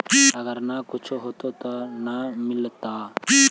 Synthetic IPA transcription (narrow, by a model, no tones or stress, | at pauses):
iɐɡəɾnakʊt͡ʃʰoɦoːt̪ot̪onamɪlt̪aːi